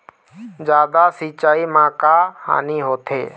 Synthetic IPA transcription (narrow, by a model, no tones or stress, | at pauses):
d͡ʒjaːd̪asiːt͡ʃaːimãːkaha̰ːniɦoːt̪ʰḛː